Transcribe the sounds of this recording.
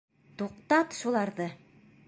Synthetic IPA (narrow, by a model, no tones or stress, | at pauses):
t̪uqt̪ɑt̪ʃulˠɑɾðɤ